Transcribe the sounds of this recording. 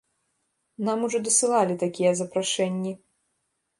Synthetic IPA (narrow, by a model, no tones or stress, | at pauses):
namuʐɔd̪ɐsɨlˠalʲit̪akʲijɐzɐpɾaʂɛnʲːi